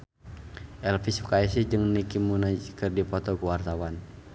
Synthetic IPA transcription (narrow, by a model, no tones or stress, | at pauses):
ʔɛlfisu̥kaisid͡ʒɨŋnikimunakɨrdipɔt̪ɔkuwart̪awan